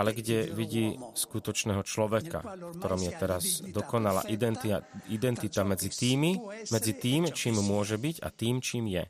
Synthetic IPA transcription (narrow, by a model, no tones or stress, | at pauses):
alɛɡɟɛʋiɟiːskut̪ɔt͡ʃnɛːɦɔt͡ʃlɔʋɛka̰fkt̪ɔɾɔmjɛt̪ɛɾazd̪ɔkɔnala̰ːʔid̪ɛt̪id̪ɛnt̪it̪amɛd͡zit̪iːmimɛd͡zit̪iːmt͡ʃiːmmʊɔʒɛbiɟa̰t̪iːmt͡ʃiːmjɛ̰